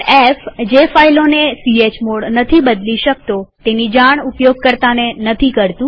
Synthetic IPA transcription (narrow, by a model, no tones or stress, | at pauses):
efd͡ʒefailonesiet͡ʃmoɽnət̪ʰibəd̪liʃək̚t̪ot̪enid͡ʒaɳ̃ʊpjoɡ̚kəɾt̪anenət̪ʰikəɾt̪ũ